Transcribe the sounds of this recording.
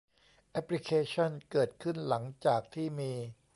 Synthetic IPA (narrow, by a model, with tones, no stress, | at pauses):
ʔɛ˦˥pli˦kʰeː˧˥t͡ɕʰɔ˥˩nkɤː˨˩t̪̚kʰɯ˥˩nla˩˦ŋt͡ɕaː˨˩k̚t̪ʰiː˥˩miː˧